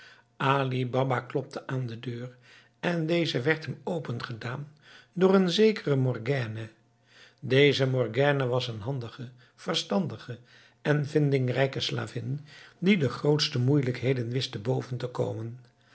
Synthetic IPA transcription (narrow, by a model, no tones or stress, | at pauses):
ʔaːlibɑbaklɔp̚tʰəʔaːndədøːr | ɛndejzəʋɛɹtɦəmowpənχədaːn | dʊːɹənzejkərəmɔrɡɛːnə | dejzəmɔɹɡɛːnəʋɑsənɦɑndəχə | v̥ərstɑndəχə | ʔɛnvɪndɪŋrɛjkəsla̰ːvɪndidəχrowtstəmujləkɦejdənʋɪstəbowvəntəko̰wmən